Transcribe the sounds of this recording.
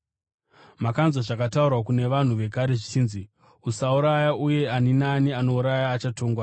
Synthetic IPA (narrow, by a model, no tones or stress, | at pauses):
makanzoʐakataurwakune̞ʋan̤uʋe̞kaɾe̞ʐit͡ʃiːnzi | usauɾajaʔuje̞aninaniano̞uɾajaːt͡ʃato̞ːŋɡwa